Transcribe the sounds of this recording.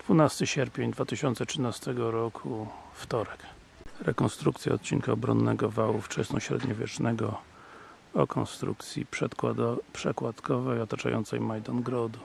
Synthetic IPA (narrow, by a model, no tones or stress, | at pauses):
d̪̥vunast̪ɘɕɛɾpʲjeɲd̪vat̪ɘɕɔnt̪sɛtʂɘnast̪ɛɡɔɾɔkʰuft̪ɔɾɛk | ɾɛkɔnst̪ɾuk̚t̪sʲja̰ɔt̪t͡ɕiŋkaɔbɾɔnːɛɡɔvawuft͡ʂɛsnɔɕɾɛ̰d̪ɲɔvʲjɛ̰t͡ʂnɛɡɔ | ɔkʰɔnst̪ɾṵk̚t̪sʲjḭpʂɛpʂɛkwat̪kʰɔvɛjɔt̪at͡ʂa̰jɔ̰nt̪sɛ̰jmajd̪ɔnɡɾɔd̪u